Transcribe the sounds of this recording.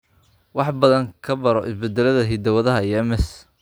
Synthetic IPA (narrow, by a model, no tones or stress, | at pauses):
wɑħbɐðɐŋkʰɐbɐɾɔʔɪsbɛd̪ɛlɐðɐɦid̪ɐwɐðɐɦɐiɛmɛs